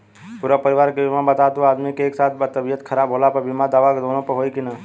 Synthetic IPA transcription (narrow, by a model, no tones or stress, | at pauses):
puɾapəɾiʋaɾkebimabət̪at̪uaːd̪mikeeːksaːt̪̚ʰbət̪əbijət̪kʰəɾaːbɦolapəɾbimad̪aːʋaked̪onõpəɦojkinə